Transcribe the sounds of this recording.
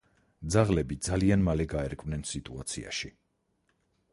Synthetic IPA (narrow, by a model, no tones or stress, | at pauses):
d̪zaʁlɛbid̪zalianmalɛɡaɛɾkʼvnɛnsit̪ʼuat̪sʰḭa̰ʃi